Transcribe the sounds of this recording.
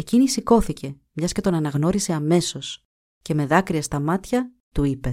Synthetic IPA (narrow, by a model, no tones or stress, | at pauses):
e̞cinisiko̞θice̞ | mɲɐsce̞t̪o̞nɐnɐɣno̞ɾise̞ɐme̞so̞s | ce̞me̞ðɐkɾiɐst̪ɐmɐt̪çɐt̪uipe